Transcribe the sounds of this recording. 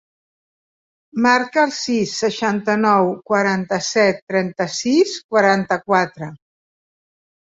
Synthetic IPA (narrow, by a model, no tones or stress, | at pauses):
maɾkəːlˠsisːəʃant̪ənɔwkwaɾant̪əsɛt̪ːɾɛnt̪əsiskwaɾant̪əkwat̪ɾə